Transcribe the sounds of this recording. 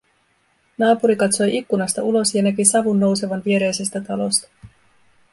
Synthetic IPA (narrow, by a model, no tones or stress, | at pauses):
nɑːpuɾikɑt̪so̞jʔikːunɑst̪ɑulo̞sjɑnækisɑʋunːo̞wse̞ʋɑnʋie̞ɾe̞jse̞st̪æt̪ɑlo̞̰st̪ɑ̥